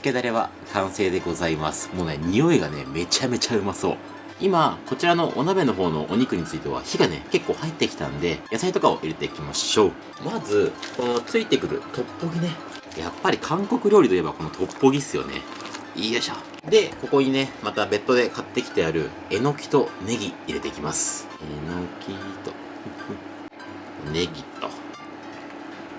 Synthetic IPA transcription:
ked̪aɾe̞βa̰ | kʰãɰ̃se̞ːd̪e̞ɡo̞zaimasɨ̥mo̞ːne̞ɲ̟io̞eɡane̞̰me̞t͡ɕame̞t͡ɕaɯ̟maso̞ː | imako̞t͡ɕiɾano̞ʔonabe̞no̞ɦo̞ːno̞̰ʔoɲ̟ikɯ̟ɲ̟it͡sɨit̪e̞βa̰çiɡane̞̰ke̞kːo̞ːhait̪ːe̞kʲi̥t̪ã̰nd̪e̞jasait̪o̞kao̞̰ʔiɾe̞t̪e̞ikʲimaɕo̞ː | mazɨko̞no̞t͡sɨit̪e̞kɯ̟ɾɯ̟̰t̪o̞pːo̞ɡʲine | ja̰pːaɾʲikʰãŋko̞kɯ̟ɾʲo̞ːɾit̪oijebako̞no̞t̪ʰo̞pːo̞ɡʲisɨjo̞̰nḛ | iːjaɕa̰ | d̪e̞ko̞ko̞ɲ̟ine̞mat̪abe̞t̪ːo̞d̪e̞kat̪ːekʲi̥t̪e̞jaɾɯ̟ | e̞no̞kʲi̥t̪o̞ne̞ɡʲiːɾe̞t̪e̞ikʲimasɨ̥ | enokʲʰit̪o | ne̞ɡʲit̪o̞̰

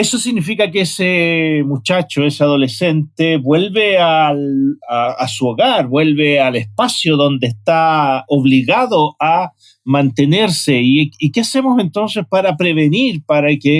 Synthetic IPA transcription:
esosiɣnifikakeesemut͡ʃat͡ʃoeseaðo̞lesent̪eβwe̞lβealaasuoɣaɾbwe̞lβealespasjoðo̞nd̪eːst̪aoβliɣaðoʔa | mant̪eneɾseiikeasemose̞nt̪o̞nsespaɾapɾeβe̞niɾpaɾake

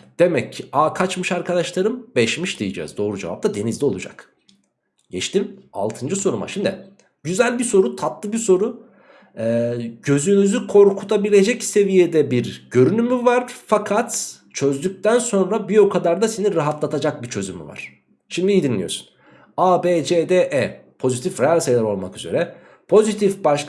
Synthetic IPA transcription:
d̪̥e̞mɛcʰːiaːkʰat͡ʃmɯʃaɾkad̪aʃlˠaɾɯmbɛʃmiʃd̪ijid͡ʒɛ̰ːzd̪o̞ːɾud͡ʒeva̰p̚t̪ʰad̪e̞nizd̪ʲɛo̞lˠud͡ʒa̰k | ɟ̥ɛt͡ʃt̪ima̰lˠt̪ʰɯnd͡ʒɯso̞ɾuma̰ʃimd̪ɪ̰ | ɟyzælʲbiso̞ɾut̪ʰat̪lˠɯbiso̞ɾu | ɛːɟø̞zynyzykʰo̞ɾkʰut̪ʰabilʲe̞d͡ʒɛcse̞vijed̪ɛbiɾɟø̞ɾynymyvaɾ̥fakʰat̪ | t͡ʃʰø̞zd̪yc̚t̪ænso̞nɾabijo̞kʰad̪aɾd̪aseniɾaɦat̪lˠat̪ʰad͡ʒak̚bit͡ʃʰø̞zymy̰va̰ɾ̝̥ | ʃimd̪iiːd̪inlʲijo̞̰su̥n | aːbed͡ʒed̪eʔɛ | pʰo̞zit̪ʰifɾejalʲsejlʲˠɛɾo̞lˠmakyzeɾɛ | pʰo̞zit̪ʰifbaʃ

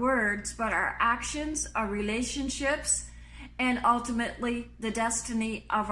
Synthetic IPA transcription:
ɜ˞dzbʌɾaʊə̰˞ʔækʃɨ̃nzə˞ɹileɪʃɨ̃nʃɪps | ɨ̃nʌlˠtəmɨʔliðɨdɛstɨniʔʌv

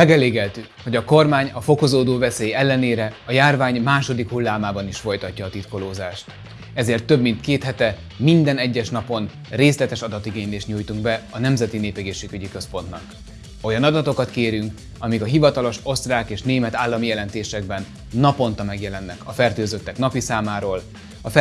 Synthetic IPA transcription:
mɛɡɛleːɡɛlt̪y | ho̞ɟɒko̞rmaːɲɒfo̞ko̞zoːd̪oːvɛseːjɛlːɛneːɾɛɒjaːrvaːɲmaːʃo̞d̪ikhulːaːmaːbɒniʃfo̞jt̪ɒcːɒːt̪it̪ko̞loːzaːʃt̪ | ɛzeːrt̪ːø̞bmint̪keːt̪hɛt̪ɛ | mind̪ɛnɛɟːɛʃnɒpo̞n | reːslɛt̪ɛʃɒd̪ɒt̪iɡeːɲleːʃt̪ɲuːjt̪uŋɡbɛɒnɛmzɛt̪ineːpɛɡeːʃeːɡyɟikøspo̞nt̪nɒk | o̞jɒnɒd̪ɒt̪o̞kɒt̪keːɾyŋk | ɒmikɒɦivɒt̪ɒlo̞ʃo̞st̪raːkeːʃneːmɛt̪aːlːɒmijɛlɛnt̪eːʃɛɡ̚bɛnː | ɒpo̞nt̪ɒmɛɡjɛlɛnːɛkɒfɛrt̪øːzøt̪ːɛknɒpisaːmaːɾoːl | ɒfɛ

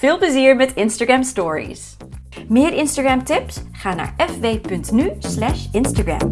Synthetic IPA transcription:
v̥ɪːlˠpləziːɹmɛtɪnstaɡamstɔːɹḭs | mɪːɹʔɪnstaɡamtɪpsχaːna̰ːɹɛfʋejpɵntnyslɛʃɪnstaɡɹa̰m

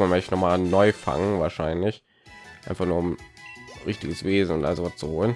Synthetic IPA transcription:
manmœçtənɔχmaːnɔʏfa̰ŋənvaːɐʃaɪnlɪç | ʔaɪnfaχnuːɐʊmʁɪçtɪɡəsv̥eːzn̩ʊntʔazovast͡suhoːlən

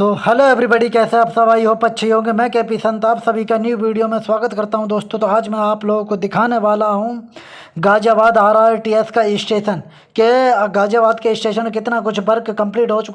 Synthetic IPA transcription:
t̪oːhɐloːɛːbɾibəɽikɛːseaːpsɐʋaːiɦopɐtːʃʰiɦõːɡemɛ̃ːkɛːp̬isɐ̃nt̪aːpsɐbʱikenjuːʋiːɽijomẽswaːɡət̪kɐɾt̪aɦũd̪oːst̪õt̪oaːd͡ʒmɛ̃aːploːɡõkod̪ɪkʰaːneʋaːlaɦũ | ɡaːd͡ʒaːʋaːd̪aːɾaːʈiːɛskaɪsʈeːʃən | keɡaːd͡ʒaːʋaːd̪keɪsʈeːʃənkɪt̪nak̬ʊt͡ʃʰbɐɾkkɐ̃mpliːʈoːt͡ʃʊka

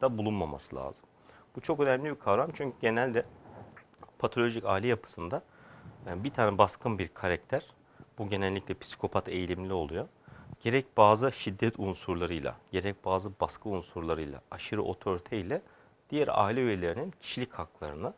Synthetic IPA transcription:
d̪̥abulˠunmama̰sɯlˠa̰ːzɯm | but͡ʃʰo̞kø̞næmlʲibikʰavɾamt͡ʃʰyɲcʰyɟe̞nælʲd̪ɛ | pʰat̪ʰo̞lʲo̞ʒicaːilʲɛjapʰɯ̥sɯnd̪a | bit̪ʰaːnɛbaskʰɯnbiɾkʰaɾac̚t̪ʰæɾ̥ | b̥uɟe̞nɛlʲːiclʲɛpʰi̥si̥kʰo̞pʰat̪ʰe̞jlʲimlʲio̞lˠujo | ɟ̥e̞ɾɛc̚baːzɯʃid̪ːɛt̪ʰunsuɾlˠaɾɯjlˠa̰ɟ̥e̞ɾɛc̚baːzɯbaskʰɯunsuɾlˠaɾɯjlˠa̰aʃɯɾɯʔo̞̰t̪ʰo̞ɾit̪ʰejlʲɛ | d̪̥ijæɾa̰ːilʲɛyje̞lʲe̞ɾinincʰi̥ʃilʲichaklˠa̰ɾɯnɯ

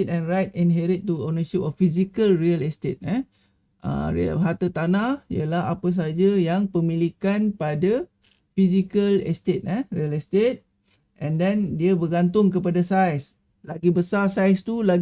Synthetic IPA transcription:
tɛ̃nrajt̚ĩnɦɛɾit̪̚ːuonəʃip̚ɔfːisikəlriəlɛst̪et̪̚ə̃ | ʔə̰ɾḭɦat̪ət̪anahḭə̰laɦa̰pəs̬ad͡ʒajaŋpəmĩlikanpada | fis̬ikəlɛ̰st̪et̪̚ə̃riəlɛst̪et̪̚ | ʔɛ̃ndɛndiəbəɡant̪̬ʊŋkəp̬adasajs | laɡibəsasajst̪ula

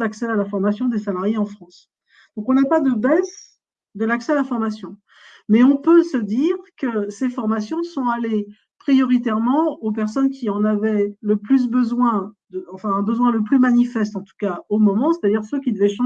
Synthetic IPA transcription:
d̪aksɛalafɔʁmasjɔ̃d̪esalaʁjeɑ̃fχɑ̃s | d̪̥ɔ̃kɔ̃napad̪əbɛs | d̪əlaksɛalafɔʁmasjɔ̃ | mɛɔ̃pøsəd̪iʁkəsefɔʁmasjɔ̃sɔ̃ale | pχijɔʁit̪ɛʁmɑ̃op̬ɛʁsɔnkʲʰiɑ̃navɛləplys̬bəzwɛ̃d̪əɑ̃fɛ̃ɛ̃bəzwɛ̃ləplymanifɛst̪ɑ̃t̪u̥kaomɔmɑ̃se̥t̪ad̪iʁsøkʲid̪əvɛʃɑ̃

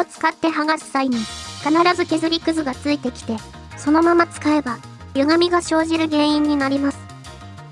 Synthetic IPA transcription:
ot͡sɨ̥kat̪ːe̞ɦaɡasɨ̥saiɲ̟ikanaɾazɨke̞zɨɾʲikɯ̟zɨɡat͡sɨit̪e̞kʲi̥t̪e̞ | so̞no̞mamat͡sɨ̥kae̞ba | jɯ̟ɡamʲiɡaɕo̞ːʑiɾɯ̟ɡẽ̞ːĩɲ̟ːinaɾʲimasɨ̥

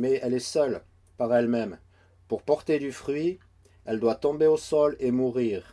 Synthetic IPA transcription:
mɛɛlɛsœl | paʁɛlmɛm | puʁpɔʁt̪ed̪yfχɥi | ɛld̪wat̪ɔ̃beosɔlemuʁiːʁ

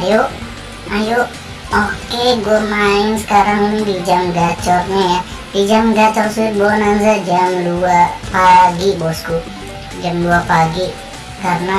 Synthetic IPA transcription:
ajoʔ | ajoʔ | okeɡomainsə̥kaɾaŋinidid͡ʒamɡat͡ʃɔrɲaja | did͡ʒamɡat͡ʃɔrsuɪt̪̚bonanzad͡ʒamluapaɡiʔbɔsku | d͡ʒamluapaɡiʔ | kaɾəna

